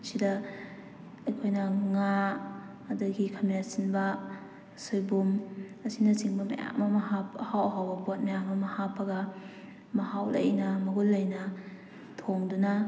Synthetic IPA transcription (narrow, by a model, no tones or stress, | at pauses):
sidɐ | ɐjkʰojnɐŋaː | dɐɡikʰamasinbɐ | sojbumɐsinɐsiŋbɐmɐ̰ja̰ŋmɐmɐɦapɐhawɐɦawbɐpuat̚mɐjaŋmɐmɐhapʰːɐɡɐ | mɐhawlɐ̰jnɐmɐɡulːajnɐ | tʰoŋdunɐ